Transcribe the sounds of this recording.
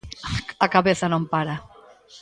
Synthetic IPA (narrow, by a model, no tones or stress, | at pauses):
akaβeθanõmpaɾa